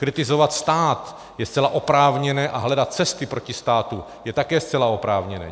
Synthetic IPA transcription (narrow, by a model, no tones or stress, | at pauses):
kɾɪt̪ɪzovat̪st̪aːt̪ | jɛst͡sɛlaʔopɾaːvɲɛnɛːʔaɦlɛdat̪̚t͡sɛst̪ɪpɾo̞cɪst̪aːt̪u | jɛt̪akɛːst͡sɛlaopɾaːvɲɛnɛ̰ː